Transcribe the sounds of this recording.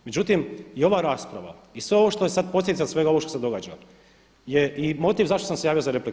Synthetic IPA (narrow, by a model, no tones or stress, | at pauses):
me̞d͡ʑut̪imio̞ʋaːɾaːspɾaʋa̰isʋe̞oʋoʃt̪ojesad̪̚poslʲed̪t̪asʋe̞ɡaoo̞ʃt̪osed̪o̞ɡaːd͡ʒa | jeʔimo̞t̪iːʋzaʃt̪osamsejaːʋjiozaɾepli